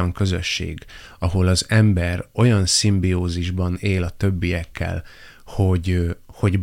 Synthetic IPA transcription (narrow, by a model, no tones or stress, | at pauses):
ɒŋkø̞zøʃːḛːɡɒɦo̞lɒzɛmbɛro̞jɒnsimbioːziʒbɒneːlɒt̪ø̞bːijɛkːɛ̰l | ho̞ɟho̞ɟb